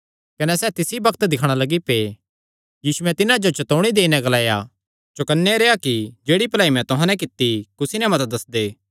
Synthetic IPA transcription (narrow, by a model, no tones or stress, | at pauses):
kɐnɛsɛt̪ɪsibɐkt̪d̪ɪkʰɽ̃alɐɡipeː | jiːsuɛt̪ɪnãd͡ʒot͡ʃɐt̪oːɽ̃id̪eːinɛ̃ɡɐlaːja | t͡ʃʊkənːeɾeːakid͡ʒeːɽipɐlaːimɛ̃t̪ʊɦãnɛ̃k̬ɪt̪ːikʊsinɛmɐt̪d̪ɐsd̪eː